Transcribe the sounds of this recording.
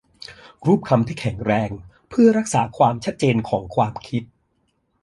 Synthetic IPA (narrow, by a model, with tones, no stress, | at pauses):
ɾuː˥˩p̚kʰa˧mt̪ʰiː˥˩kʰɛ˨˩˦ŋɾɛː˧ŋ | pʰɯ˥˩ɐɾa˦˥k̚saː˩˦kʰwaː˧mt͡ɕʰa˦˥t̪̚t͡ɕeː˧nkʰɔː˩˦ŋkʰwaː˧mkʰi˦˥t̪̚